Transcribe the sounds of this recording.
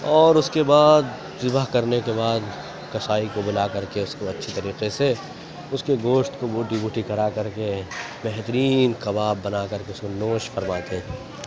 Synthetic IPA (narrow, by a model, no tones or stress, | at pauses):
ɔːɾʊskebaːd̪ | sɪbəɦkɐɾnekebaːd̪ | kɐsaːikobʊlakɐɾkeʊskoɐtːʃʰit̪ɐɾiːqese | ʊskeɡoːʃt̪koboːʈibuːʈikɐɾakɐɾke | bɛɦt̪əɾiːnkɐbaːbːɐnakɐɾkeʊskonoːʃfɐɾmaːt̪e